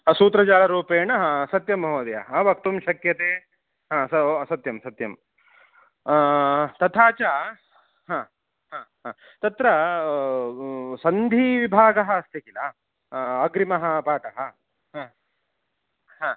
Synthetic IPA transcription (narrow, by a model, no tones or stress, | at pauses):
suːt̪ɾɐd͡ʒaːlɐɾuːpeːɳɐɦãsɐt̪jɐmːɐɦoːd̪ɐjaɦɐʋɐk̚t̪umʃɐkjɐt̪eː | ɦãːsɐsɐt̪jɐmsɐt̪jɐm | t̪ɐt̪ʰaːt͡ʃaː | ɦãː | ɦãːɦãː | t̪ɐt̪ɾɐ | sɐnd̪ʱiʋibʱaːɡɐɦɐɐst̪ikilɐː | ɡɾimɐɦɐ̆paːʈɐɦɐ | ɦãː | ɦãː